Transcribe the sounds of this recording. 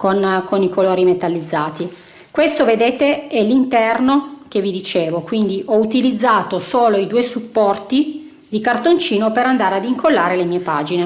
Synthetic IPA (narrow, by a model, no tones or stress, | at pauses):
konkʰonikʰoloːɾimet̪alːid̪zːaːt̪i | kwest̪oved̪eːt̪eɛlːint̪ɛrnokevːid̪it͡ʃeːvokwind̪iʔɔut̪ilid̪zːaːt̪osoːloid̪uːesupːɔrt̪i | d̪ikart̪ont͡ʃiːnopeɾand̪aːɾead̪iŋkʰolːaːɾelemiːepaːd͡ʒine